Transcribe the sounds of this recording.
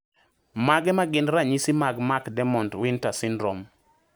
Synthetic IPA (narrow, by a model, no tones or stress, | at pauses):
maɡɛmaɡɪnɾaɲisimaɡmakdɛmɔntwɪntasɪndɾɔm